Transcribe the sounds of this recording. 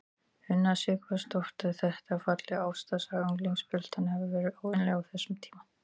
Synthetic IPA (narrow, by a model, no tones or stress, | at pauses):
hʏnːasɪːkvast̪ɔht̪aðθɛht̪afat̪lɪaːwfst̪asaɣuŋkliŋkspʏl̥t̪anhɛvɪvɛːɾɪowɪnlɛɣawθɛsːʏmt̪ʰiːma